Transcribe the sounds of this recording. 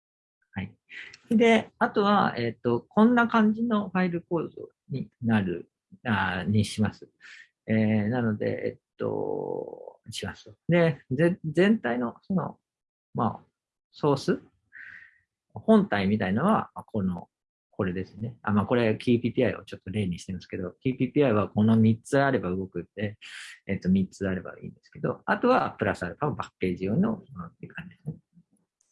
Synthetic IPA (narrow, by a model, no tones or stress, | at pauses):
hai | d̪e̞at̪o̞βa̰et̪ːo̞kʰõ̞nːakãɲ̟d͡ʑino̞ɸaiɾɯ̟ko̞ːzo̰ | ɲ̟inaɾɯ̟̰ | aɲiɕimasɨ̥ | enano̞d̪e̞̰ʔḛt̪ːo̞̰ | ɕimasɨd̪e̞d͡zẽ̞nt̪aino̞so̞no̞̰ | ma̰ | so̞ːsɨ | hõ̞nt̪aimʲit̪ainaβakʰo̞no̞̰ | kʰo̞ɾe̞d̪e̞sɨne̞amaːko̞ɾe̞kʲʰiːpʲiːp̪ʲiːaio̞̰t͡ɕo̞t̪ːo̞ɾe̞ːɲ̟iɕi̥t̪e̞masɨ̥ke̞d̪o̞kʲiːpʲiːpʲiːaiβako̞no̞mʲit͡sɨaɾe̞baɯ̟ɡo̞kɯ̟t̪ːe̞et̪ːo̞mʲitt͡sɨaɾe̞ba̰ḭ̃ːnd̪e̞sɨ̥ke̞d̪o̞̰at̪o̞βapɯ̟ɾasɨaɾɯpaɡabakːe̞ːʑijo̞ːɲ̟inoonot̪ːkʰãɲd͡ʑid̪esɨne